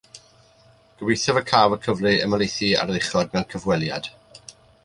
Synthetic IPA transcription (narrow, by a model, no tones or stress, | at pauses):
ɡ̥əwejθɛvəkʰaːvəkʰəvlɨəməlˠejθia̰ɾəðɪχɔd̚mɛnkʰəvwɛlˠjad̥